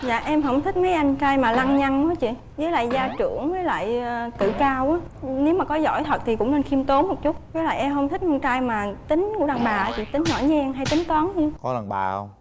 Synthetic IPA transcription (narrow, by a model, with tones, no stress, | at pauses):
za̰ː˧˨ʔɛ˧mɦə̰˧˩wŋ͡mt̪ʰï˦˥k̚ma˨˦jʔa˧jŋt͡ɕaː˧jmaː˨˩la˧ŋɲa˧ŋkɔ˨˦t͡ɕḭ˧˨ | zəː˨˦jla̰ː˧˨jzaː˧t͡ɕɨ̰˧˩əŋvəː˨˦jla̰ː˧˨jt̪ɨ̰˧˨kaː˧wʔaː˨˦ne˨˦wmaː˨˩kɔ˨˦zɔ̰˧˩jt̪ʰə˨˩t̚t̪ʰi˨˩kʊ̰˧˥ŋ͡mne˧nxi˧əmt̪o˨˦mo˨˩t̚t͡ɕʊ˦˥t̚kaː˨˦la̰ː˧˨jʔɛ˧mɦə˧˩wŋ͡mt̪ʰï˦˥k̚ʔa˧ŋt͡ɕaː˧jmaː˨˩t̪ï˨˦ŋ̟ku˧˥ə˦ɗaː˨˩ŋɓaː˨˩ʔt͡ɕḭ˧˩˨t̪ï˨˦ŋɲɔ̰˧˩˦jɲɛ˧ŋɦa˧jt̪ï˨˦ŋ̟t̪waː˨˦nt͡ɕi˧˨kɔ˨˦la˨˩ŋɓaː˧˩w